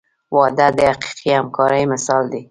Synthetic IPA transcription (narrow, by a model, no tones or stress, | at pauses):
wɑd̪ad̪əaqi̥qʰihamkɑɾəjmɪsɑld̪i